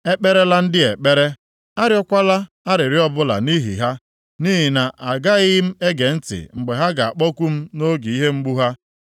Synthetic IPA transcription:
e˦k͡pe˦ɾe˦la˦n̩˦dɪ˦e˨k͡pe˦ɾe˦ | a˦ɾɪ˦ɔ˦kʷa˦la˦ | a˦ɾɪ˨ɾɪ˦ɔ˦bʊ˦la̰˨ni˦ɦḭ˨ɦa˦ | ni˦ɦi˨na˨ʔa˨ɡa˦ɣɪ˦m̩˦e˦ɡe˨n̩˦tɪ̰˨ŋ͡m̩˨ɡ͡be˨ɦa˦ɡa˨a̰˨k͡pɔ˦kʷu˦m̩˦no˦ɡi˨i˦ɦe˦ŋ͡m̩˦ɡ͡bu˦ɦa˦

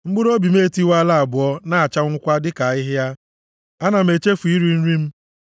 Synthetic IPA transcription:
ŋ͡m̩˦ɡ͡bʊ˦ɾo˦bi˨me˦˨ti˦wa˦la˦a˨bʊ˨ɔ˦na˦˨a˨t͡ʃa˦ŋ̩˦kʷa˦dɪ˦ka˨ɪ˦ɦɪ˦a˦ | a˦na˨m̩e˨t͡ʃe˦fu˨i˦ɾi˦n̩˦ɾi˦m̩˦

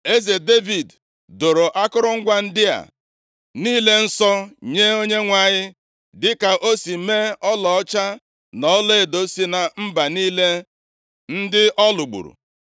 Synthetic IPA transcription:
e˦ze˨de˦vi˨d | do˨ɾo˨ʔa˦kʊ˦ɾʊ˦ŋ̩˦ɡʷa˦n̩˦dɪ˦a̰˨ | niː˦le˦n̩˦sɔ˦ɲe˦o˦ɲe˦ŋʷa˨ɲɪ˦ | dɪ˦ka˨ʔo˦si˨me˦ɔ˦lɔ˨ɔ˦t͡ʃa˦ | nɔ˦le˦e˨do˦si˦na˨m̩˦ba˨niː˦le˦ | n̩˦dɪ˦ʔɔ˦lʊ˨ɡ͡bṵ˨ɾṵ˨

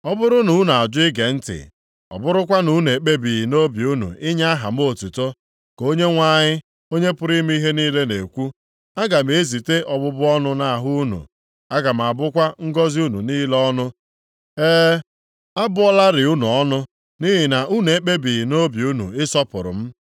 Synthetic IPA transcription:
ɔ˦bʊ˦ɾʊ˦nu˨˦na˨a˨d͡ʒʊ˦ɪ˦ɡe˨n̩˦tɪ̰˨ | ɔ̰˨bʊ˦ɾʊ˦k̬ʷa˦nu˦n˨e˨k͡pe˦bi˨i˨no˦bi˨u˦nṵ˨ɪ˦ɲa˦a˦ɦa̰˨m̩˦o˨tu˨to˦ | ko˦ɲe˦ŋʷa˦ɲɪ˦ | o˦ɲe˦pʊ˦ɾi˦m˦i˦ɦe˦niː˦le˦ne˨kʷu˦ | a˦ɡa˨m̩˨˦e˦zi˨te˦ʔɔ˨bʊ˦bʊ˦ɔ˦nʊ˦na˨ɦʊ˦u˦nṵ˨ | a˦ɡa˨m̩˨a˨bʊ˦kʷa˦ŋ̩˦ɡɔ˦zi˦u˦nu˨niː˦lɔ˦nʊ˦ | eː˦ | a˦bʊ˦ɔ˦la˦ɾɪ˨u˦nu˨ɔ˦nʊ˦ | ni˦ɦi˨na˨ʔu˦n˨e˨k͡pe˦bi˨no˦bju˦nṵ˨ɪ˦sɔ˦pʊ˨ɾʊ̰˨m̩˦

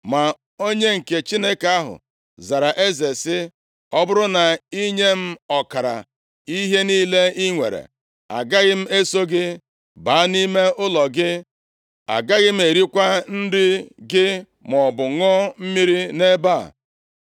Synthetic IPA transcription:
ma˨ | o˦ɲe˦ŋ̩˨ke˨t͡ʃi˦ne˦ka˦ɦʊ̰˨ | za˨ɾa˨ʔe˦ze˨sɪ˦ | ɔ˦bʊ˦ɾʊ˦na˨i˦ɲe˦m̩˦ɔ˨ka˨ɾa̰˨ | i˦ɦe˦niː˦le˦i˦ŋʷḛ˨ɾḛ˨ | a̰˨ɡa˦ɣɪ˦m̩˦e˦so˦ɡɪ˦ | ba˨˦ni˦me˦ʔʊ˦lɔ˨ɡɪ˦ | a̰˨ɡa˦ɣɪ˦m̩˦e˨ɾi˦kʷa˦n̩˦dɪ˦ɡɪ˦ | mɔ˨bʊ˨ŋɔ˦m̩˦mi˦ɾi˦ne˦ba˦˨

